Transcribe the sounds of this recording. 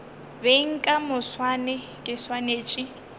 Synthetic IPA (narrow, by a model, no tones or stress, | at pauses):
beŋ̩kʼamʊswanɛ | kʼɪswaneːt͡ʃʼɪ